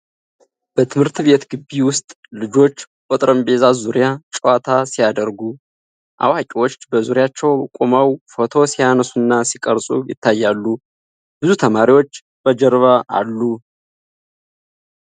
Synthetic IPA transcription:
b̥ət̪ʰɨmhɨɾt̪βe̞t̪ɡɨbːiwʊst̪ʼ | lɨd͡ʒo̞t͡ʃː | kʼot̪ʼɾəmbe̞zazuɾijat͡ʃʼwat̪ʰasijad̪əɾɡu | ʔa̰wakʼiwo̞t͡ʃːbəzuɾijat͡ʃːɛwkʼomawfo̞t̪ʰo̞sijanəsunːasikʼəɾsʼṵjɪ̰t̪ʰːajːalːu | b̥ɨzut̪ʰəmaɾiwo̞t͡ʃː | b̥əd͡ʒɛɾβaʔa̰lːu

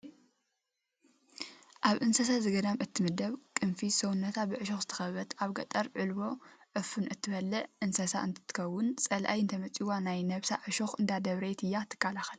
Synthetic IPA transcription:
ʔaβʔɨnsɐs̬azɨɡɐd̪amʔɨt̪ʰːɨmɨd̪ɐβkʼɨnfisownːɐt̪ʰabɨʕɨʃoxzɨt̪ʰɐ̥xɐβɐt̪ʰʔaβɡɐ̰t̪ʼɐɾʕɨlbo̞ʕɨfunʔɨt̪ʰːɨβɐlːɐʔɨnsɐsa̰ɨnt̪ʰɨ̥t̪ʰɨ̥kʰɐwːʊnt͡sʼɐlʔa̰jɨnt̪ʰɐmɐt͡sʼiwanajnɐβsa̰ʕɨʃoxɨnd̪ad̪ɐβɾɐt̪ʰɨjːat̪ʰːɨ̥kːalaxɐl

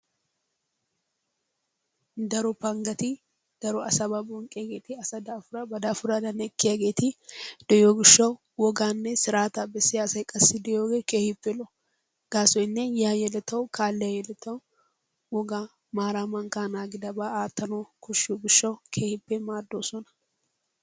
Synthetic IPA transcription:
d̪ɐɾɔpɐŋɡɐt̪ɪ | d̪̥ɐɾɔɐsɐbɐbɔŋkʼːɪjaɡeːt̪ɪɐsɐd̪ɐːfʊɾɐbɐd̪ɐfʊɾɐd̪ɐnɛkːɪjaɡe̞ːt̪ɪd̪̥ɛjoːɡɪʃːɐwʊ | wɔɡaːnːɛsɪɾaːt̪ɐbɛsːɪjaːsɐjkʼɐsːɪd̪ɛjoːɡeːkeːhɪpːɛlɔ | ɡ̥aːsɔjɪnːɛjaːjɛlɛt̪ːɐwkaːlːɛjɐjɛlɛt̪ːɐw | wɔɡa | maːɾamɐŋkaːnaːɡɪd̪ɐbaaːt̪ːɐnokɔʃːoɡɪʃːɐwkʰeːhɪpːɛmaːd̪ːoːsɔnɐ̥

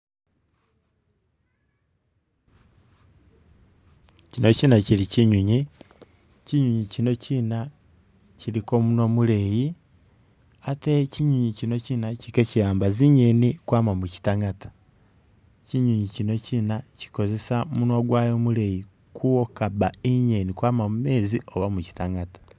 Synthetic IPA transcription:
cinocinaciɾiciɲuɲi | ciɲuɲicino̞ciːna | ciɾikomunomuleji | ateciɲuɲicino̞ciːnacikecijaːmbaziɲenikwaːmamuci̥taŋatḁ | ciɲuɲicino̞cinaci̥ko̞ze̞samunwoɡwaːjo̞mule̞ji | kʰuokabaiɲe̞nikwaːmamume̞ːzioβamuci̥taŋɡatḁ

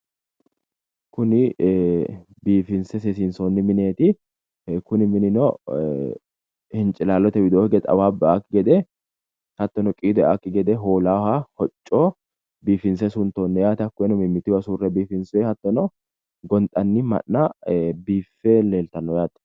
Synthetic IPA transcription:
kʊnɪ | biːfɪnsɛsɛs̬ɪnsoːnːɪmɪne̞ːt̪ɪ | kʊnɪmɪnɪnɔ | hɪnt͡ʃʼɪlaːlɔt̪ɛwɪd̪oːɪɡɛd̪ɐ̰waːbaːkːɪɡɛd̪ɛ | hɐt̪ːɔnɔkʼiːd̪ɔjʔa̰kːɪɡɛd̪ɛɦoːlaːhahɔt͡ʃʼːoː | biːfɪnsɛsʊnt̪oːnːɛjaːt̪ɐkːʊɛnɔmɪmːɪt̪ːɪwɐsuːrːɛbiːfɪnsʊɛhɐt̪ːɔnɔ | ɡɔnt̪ʼɐnːɪmɐ̰nːɐbiːfːɛleːlt̪ɐnːɔjaːt̪ɐ̥

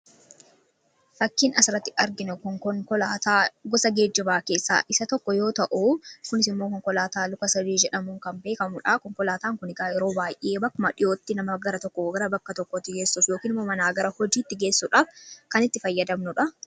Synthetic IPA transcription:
fɐkːiːnɐsɪɾɐt̪ːɪɐɾɡɪnʊkɔŋkɔŋkɔlaːt̪aːɡɔsɐɡe̞ːd͡ʒːɪbaːke̞ːsːa̰ːʔɪsɐt̪ɔkːɔjo̞ːt̪ɐʔuːkʊnɪsɪmːoːkɔŋkɔlaːt̪aːlʊkɐsɐd̪iːd͡ʒɛᶑɐmuːŋkɐmbeːkɐmʊᶑaːkɔŋkɔlaːt̪aːŋkʊnɪɡaːjɛɾo̞ːbaːjʔːe̞ːbɐkːʊmɐᶑɪjʔo̞ːt̪ːɪnɐmɐɡɐɾɐt̪ɔkːɔɡɐɾɐbɐkːɐt̪ɔkːɔt̪ːɪɡeːsːuːfjoːkiːnɪmːoːmɐnaːɡɐɾɐhɔd͡ʒiːt̪ːɪɡe̞ːsːuᶑaːfkɐnɪt̪ːɪfɐjːɐd̪ɐmnʊᶑɐ

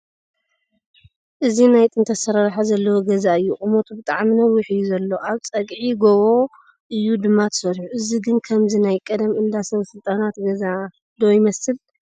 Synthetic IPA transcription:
ʔɨzinajt̪ʼɨnt̪ʰɐsɐɾaɾħazɐlːɐwoɡɐzaɨjːuχʼɨmot̪ʰubɨt̪ʼaʕminɐwːiħɨjːuzɐlːo̞ʔaβt͡sʼɐɡʕiɡoβo̞ | ʔɨjːud̪ɨmːat̪ʰɨ̥sɐɾħuʔɨziɡɨnkʰɐmzinajkʼɐd̪ɐmɨnd̪asɐβɐsɨlt̪ʼanat̪ɡɐza | d̪ojmɐsɨl

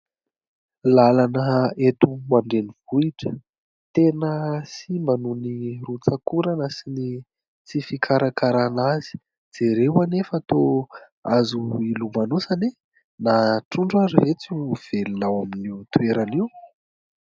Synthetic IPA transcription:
lalanəet̪umaɳɖ͡ʐeniv̥uiʈ͡ʂə̥ | t̪enəsimanunirut͡sakuɾanəsini | t͡sifikʰaɾakaɾanazi̥ | d͡z̥eɾewanefət̪o | azuilumanusane | naʈ͡ʂuɳɖ͡ʐaɾiɦet͡suv̥elinawaminiwt̪ueɾaniw

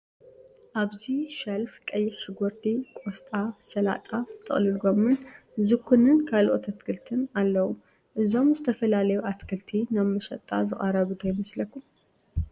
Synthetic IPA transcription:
ʔaβziʃɐlfkʼɐjːɪħʃɪɡɔɾt̪ʰikʼost̪ʼasɐla̰t̪ʼat̪ʰʼːɨ̰χʼlɨlɡomɨn | zɨkʰunɨnkʰalʔo̞̰t̪ʰat̪kʰɨlt̪ʰɨnalːɐwu | ʔɨzo̞mzɨt̪ʰɐfɐlalɐjuʔat̪kʰɐlt̪ʰinɐβːɐʃɐt̪ʼːa̰zɨχʼɐɾɐβɨd̪ojɪmɐslɐkʰːum

